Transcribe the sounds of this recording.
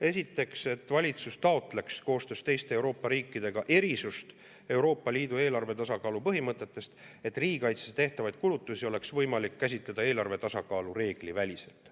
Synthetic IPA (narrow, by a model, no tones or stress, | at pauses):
e̞sʲit̪ːˑe̞kse̞t̪ːˑvɑlʲit̪sust̪ɑo̞t̪ˑle̞ksko̞ːst̪øst̪e̞jst̪e̞ːwɾo̞ːpːɑɾiːkːˑid̪̥e̞ɡ̥ɑʔe̞ɾisust̪ | e̞wɾo̞ːpːˑɑliːd̪ue̞ːlɑrve̞t̪ɑsɑkɑːlupɤɦimɤt̪ːˑe̞t̪ːˑe̞st̪e̞t̪ːˑriːɡikɑjt̪set̪e̞ht̪ɑvɑjd̪̥̚kulut̪ːˑusio̞le̞ksvɤ̞jmɑlikːæs̬ʲit̪led̪̥ɑe̞ːlɑrve̞t̪ɑsɑkɑːlure̞ːɡ̥livælʲise̞lt̪